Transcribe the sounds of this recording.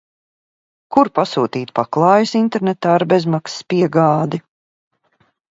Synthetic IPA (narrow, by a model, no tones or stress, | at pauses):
kuɾpasuːt̪iːt̪paklˠɑːjusint̪eɾnet̪aːɾbezmakspiɛɡaːd̪i